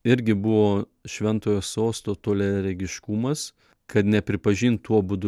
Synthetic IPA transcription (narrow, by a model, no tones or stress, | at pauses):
ɪɾʲɡʲɪbʊʋoː | ʃʲʋʲɛnt̪oːjoːsoːst̪oːt̪oːlʲɛɾʲɛɡʲɪʃkumɐs | kɐt̪nʲɛpʲɾʲɪpɐʒʲiːnt̪uɔbʊd̪ʊ